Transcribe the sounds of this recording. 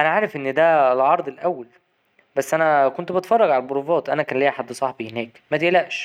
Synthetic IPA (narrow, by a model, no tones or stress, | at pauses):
ʔænæʕaːɾefʔenːd̪ælʕɑɾˤd̪ˤelʔæwːæl | bæsːʔænækont̪bet̪fɑrˤːɑɡʕalælboɾuːfɑːt̪ʔænækæːnleːhħad̪ːsˤɑħbihenːæːkmæt̪eʔlæʔʃ